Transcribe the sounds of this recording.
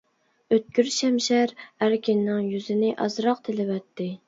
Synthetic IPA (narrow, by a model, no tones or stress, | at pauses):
øt̪̚kʲyɾʃɛmʃæɾæɾkʲɪnːɪŋjyzɪnɪʔɑzɾɑq̚t̪ʰɪlɪvɛt̪ʰːɪ